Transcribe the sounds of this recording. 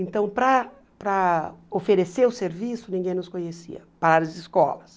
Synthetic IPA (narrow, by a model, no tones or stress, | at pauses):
ẽnt̪ɐ̃w̃pɾɐ | pɾɐofeɾeseɾʊseɾvisʊnĩɡẽj̃nʊskõɲesḭɐ̰paɾaɾɐd͡ʒɪiskɔ̰lɐs